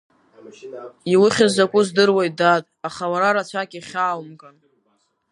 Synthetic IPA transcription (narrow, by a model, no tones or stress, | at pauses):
iwɨχʲɪzakʷʼʊzdɨrwajdatʼaχawaɾaɾat͡ɕʷʰakʲʼiχʲaːwmkʼan